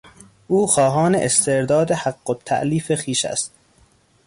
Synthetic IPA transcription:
ʔuːxɒːɦɒːnḛʔest̪e̞ɾd̪ɒːd̪ehæɡːot̪ʰːæ̰ʔliːfexiːʃæ̰st̪̚

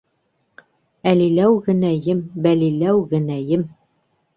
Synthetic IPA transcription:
ælilæwɣɘ̆næjɘmbælilæwɣɘ̆næjɘm

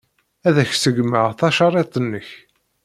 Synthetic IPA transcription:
æðæçsəɡməʁθɑʃɑɾˤet̪ˤənːəç

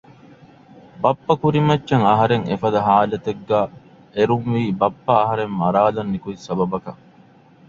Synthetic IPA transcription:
bɐpːɐkuɾimɐtːt͡ʃːɐŋɐɦɐɾeŋefɐd̪ɐɦaːlɐt̪eɡːæː | eɾuŋʋiːbɐpːɐːɦɐɾemmɐɾaːlɐnːikuisɐbɐbɐkɐ

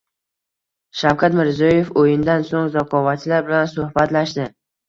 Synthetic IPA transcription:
ʃawkʰat̪mɪɾzjɒjefojɪnd̪ansoŋzɒqʰɒvat͡ʃʰlaɾbɪlansohbat̪laʃd̪ɪ

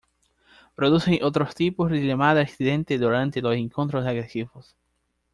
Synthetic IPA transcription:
pɾoðuseŋʔot̪ɾost̪iposðilemaðaeksiðẽnt̪eðuɾant̪eloseŋkont̪ɾosaɣɾesiβos

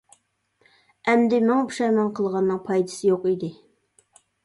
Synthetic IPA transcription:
ɛmd̪ɪmʊŋpʰu̥ʃɑjmɑŋqʰəlˠʁɑnːɨŋpʰɑjd̪ɨsɨjoqid̪ɪ

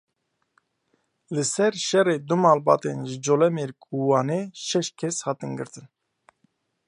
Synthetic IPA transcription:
lɨsɛɾʃɛreːd̪umɑːlbɑ̰ːt̪ḛnʒɨd͡ʒolɛmeɾkʼuwɑːneːʃɛʃkʰɛshɑːt̪ɨnɡɨ̰ɾt̪ɨn

